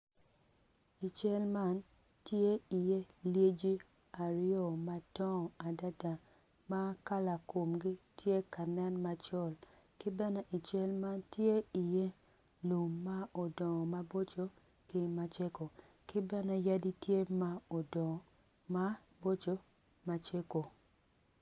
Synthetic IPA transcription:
i˨t͡ʃɛ˦lma˦n | tje˦i˨je˦lje˦d͡ʒi˦ | a˨ɾɪ˦jɔ˦˨ma˦tɔ˦˨a˨da˦da˨ | ma˦ka˦la˨ko˨mɡi˦tʰje˦ka˨nɛ˦nma˦t͡ʃɔ˦˨l | kɪ˦bɛ˦nɛ˦ʔi˨t͡ʃɛ˦lma˦ntje˦i˨je˦ | lu˨mːa˦o˨dɔ˨ma˦bo˦t͡ʃo˦ | kɪ˦ma˦t͡ʃe˦ko˨ | kɪ˦bɛ˦nɛ˦ja˦di˦tje˦ma˦o˨dɔ˨ | ma˦ | bo˦t͡ʃo˦ | ma˨t͡ʃe˦ko˨

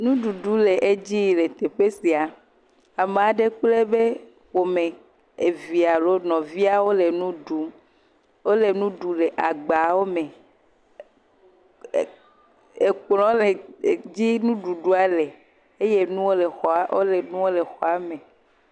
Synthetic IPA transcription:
nũ˦ɖu˨ɖu˦le˨ʔe˦d͡ʑi˦˨le˨t̪e˨ɸe˦si˨a˨ | a˨m˨a˨ɖe˦k͡ple˦be˦ | wo˨mẽ˨ | e˨vi˨a˨lo˦nɔ̃˨vi˦a˦wo˦le˨nũ˦ɖu˦ | wo˦le˨nũ˦ɖu˨le˨ʔa˨ɡ͡ba˨wo˦mẽ˨ | e˨k͡plɔ̃˨˦le˨d͡ʑi˦nũ˦ɖu˨ɖu˦a˦le˨ | e˦je˦nũ˦wo˦le˨xɔ˨a˨wo̰˦le˨nũ˦wo˦le˨xɔ˨a˨˦mẽ˨

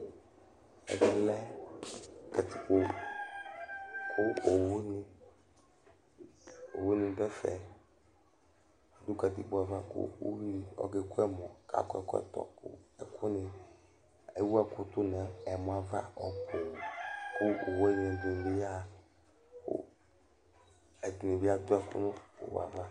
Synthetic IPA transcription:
ɛ̰˨ɡɪ˨lɛ˦ | ka˨ti˨k͡po˨ | kʰʊ˦o˨wo˦nɪ˦ | o̰˨wo˦nɪ̃˨bɛ˦fɛ˨ | a˨du˦ka˨t̪i˨k͡pa˨va˦˨kʊ̰˦o̰˦wi˦˨ɔ̰˨ɡe˨kʊ˦ɛ˦mɔ˨kʰa̰˨kɛ̰˨kɛ̰˦˨tɔ̰˨kʊ̰˦ɛ˨kʰʊ˦nɪ˨ | e˨wu˦ɛ˦kʊ˦tʊ˦nɛ˨˦ɛ˨m˨a˨va̰˦ɔ˨bo˨wkʊ˦o˨wɛ˦ɲ˨ɛ˨di˨n˨be˦ja˦ | kʊ̰˦ | ɛ˨di˨ni˨bɪ˨˦a˦dʊ˦ɛ˨kʊ̰˦nʊ˦o̰˨w̰a̰˨va˦

